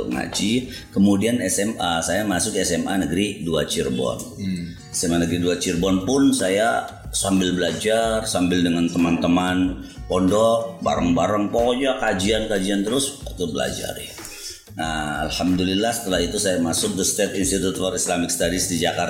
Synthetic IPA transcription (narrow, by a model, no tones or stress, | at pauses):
ŋa̰d͡ʒi | kəmudianɛsɛməsajamasʊkɛsɛmʔanəɡɾiduat͡ʃirbɔ̰n | ɛsɛmanəɡɾiduat͡ʃirbɔnpʊnsaja | sambɪlbəlad͡ʒarsambɪldəŋant̪əmant̪əmanpɔndɔk̚ba̰ɾaŋbaɾəŋpɔd͡ʒakad͡ʒiankad͡ʒiant̪əɾʊst̪ubəla̰d͡ʒa̰rɪ̰ | naa̰lhamdulilːahsə̥t̪əlahit̪usajamasʊk̚dəst̪ɛt̪inst̪it̪ut̪̚faɾislamɪk̚st̪adisdid͡ʒakar